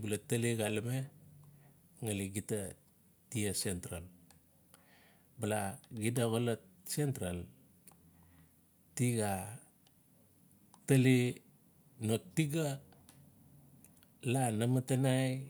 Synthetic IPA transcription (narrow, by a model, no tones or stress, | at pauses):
bulataliɡalame | ŋaliɡita | tiasentɾa̰l | balaɡidaɣolatsentɾal | tiɡa | tali | nok̚tiɡa | lanamatanaj